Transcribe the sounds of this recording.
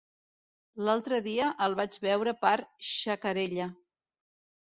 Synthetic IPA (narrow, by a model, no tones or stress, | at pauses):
lalˠt̪ɾəðiəʔəlˠβad͡ʒβɛwɾəpaɾʃəkəɾeʎə